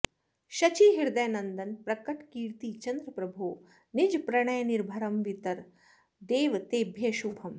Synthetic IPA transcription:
ʃɐt͡ʃiːɦiɾd̪ɐjnɐnd̪ɐnpɾɐkɐʈkiːɾt̪iːt͡ʃɐnd̪ɾɐpɾɐbʱuː | nid͡ʒpɾɐɳ̃ɐjniɾbʱɐɾɐmʋit̪ɐɾ | d̪eːʋt̪eːbʱjeʃuːbʱɐm

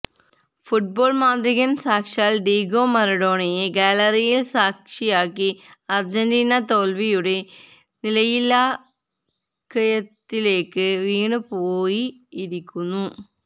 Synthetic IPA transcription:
fuʈ̚bo̞ːɭmaːnd̪ɾiɣɐnsaːkʂaːlɖiːɡo̞ːmɐɾɐɽo̞ːɳɐjeɡaːlɐɾijilsaːkʂijaːkːiɐrd͡ʑɐndiːnɐt̪o̞ːlʋijuɽe̞ | nilɐjilːaː | kːɐjɐt̪ːile̞ːkːɨʋiːɳɨpoːjiːɾikʲːunːu

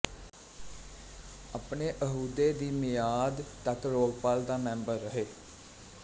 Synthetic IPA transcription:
apneːʔəɦuːd̪eːd̪iːmɪjaːd̪t̪əkɾoːɡpaːld̪aːmɛ̃ːmbəɾːəɦeː

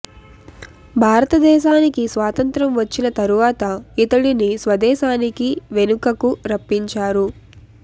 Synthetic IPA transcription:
bʱaːɾɐt̪ɐd̪ɛːʃaːnikisʋaːt̪ɐnt̪ɾɐmʋɐt͡ʃːinɐt̪ɐɾuʋaːt̪ɐit̪ɐɽinisʋɐd̪ɛːʃaːnikiʋe̞nukɐkuɾɐpːiɲt͡ʃaːɾu

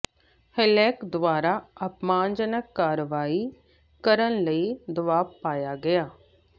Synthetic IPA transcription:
hɪlɛːkd̪ʋaːɾaːəpmãːnd͡ʒənəkːaːɾəʋaːiː | kəɾənləiːd̪əʋaːʋpaːjaːɡɪaː

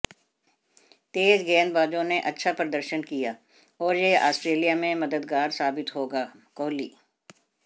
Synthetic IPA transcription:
t̪eːd͡ʒɡɛːnd̪baːd͡ʒõneʔɐtːʃʰapɾəd̪əɾʃənkijaː | ɔːɾjea̰ːsʈɾeːlijamẽmɐd̪əd̪ɡaːɾsaːbɪt̪ɦoːɡaː | kɔːliː

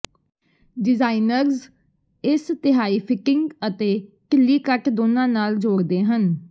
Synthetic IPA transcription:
ɖɪzaːinəɾz | ɪst̪ɪɦaːiːpʰɪkɪ̃ŋɡət̪eːkəlːiːkəʈd̪oːnãːnaːld͡ʒoːɾd̪eːɦən

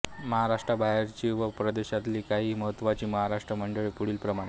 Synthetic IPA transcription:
məɦaɾaʂʈɾabaɦeɾt͡ɕiːʋəpɾəd̪eɕat̪liːkaɦiːməɦət̪ːʋat͡ɕiːməɦaɾaʂʈɾəməɳɖəɭiːpuɽ̤iːlpɾəmaɽe

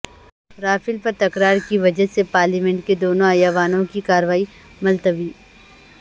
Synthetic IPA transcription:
ɾaːfɪlpɐɾt̪ɐkɾaːɾkiʋɐd͡ʒəsepaːɾlimɛ̃ɳʈ̚ked̪oːnõaːjaːʋaːnõkikaːɾʋaːi | mɐlt̪əbiː

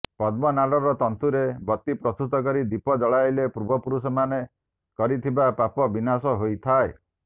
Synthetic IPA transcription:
pɔd̪mɔnalɔɾɔt̪ɔnt̪uɾebɔt̪ːipɾɔst̪ut̪ɔkɔɾid̪ipɔd͡ʒɔɭajlepuɾubɔpuɾusɔmane | kɔɾit̪ʰibapapɔbinasɔɦojt̪ʰae

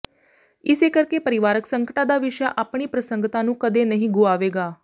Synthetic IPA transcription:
ɪseːkəɾkeːpəɾɪʋaːɾəksəŋkʈaːd̪aːʋɪʃja̰ːʔaːpɳ̃iːpɾəsəŋɡt̪ãːnũːkəd̪eːnəɦĩːɡʊaːʋeːɡaː

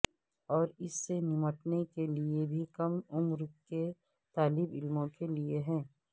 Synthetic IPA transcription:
ɔːɾɪsːenɪməʈnekeliebʱikɐmʊmɾke | t̪aːlɪbɪlmõkelieɦɛ̃ː

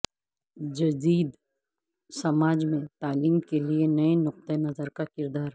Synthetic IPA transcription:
d͡ʒɐd̪iːd̪ | sɐmaːd͡ʒmẽt̪aːliːmkelienɐenʊq̚t̪ənɐzəɾkakɪɾd̪aːɾ

